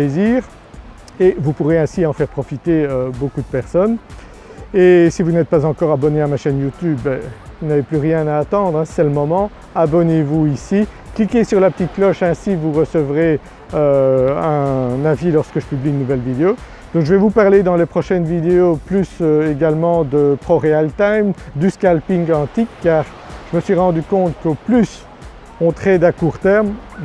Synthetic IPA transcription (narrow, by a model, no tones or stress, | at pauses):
eziːʁ | evupuʁeɛ̃siɑ̃fɛʁpχɔfit̪eøbokud̪əpɛʁsɔn | esivunɛt̪̚pazɑ̃kɔʁabɔneamaʃɛnjut̪ybːɛvunaveplyʁjɛ̃naːt̪ɑ̃d̪ʁɛ̃sɛləmɔmɑ̃ | abɔnevuisi | klikʲesyʁlapə̥t̪it̪̚klɔʃɛ̃sivuʁəsəvʁe | øɛ̃navilɔʁskəʒəpybliynːuvɛlvid̪eo | d̪̥ɔ̃kʒəvɛvupaʁled̪ɑ̃lepχɔʃɛnvid̪eoplysøeɡalmɑ̃d̪əpχɔʁealt̪ajmd̪yskalpiŋɡɑ̃t̪ikːaːʁ | ʒ̥əməsɥiʁɑ̃d̪ykɔ̃t̪koplys | ɔ̃t̪χɛd̪akuːʁt̪ɛʁm